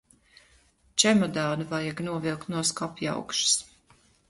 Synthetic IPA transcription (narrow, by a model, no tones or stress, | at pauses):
t͡ʃɛmɔd̪aːnuvajaɡnuɔvilˠk̪nuɔskapja̰wkʃs